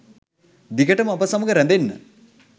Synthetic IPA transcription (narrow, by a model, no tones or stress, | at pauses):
d̪ikəʈəməapəsaməɡəɾɛnd̪enːə̰